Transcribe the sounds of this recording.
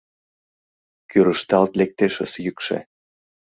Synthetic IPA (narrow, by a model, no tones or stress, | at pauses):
kyɾəʃt̪ɑlt̪lek̚t̪eʃə̰̆sjykʃḛ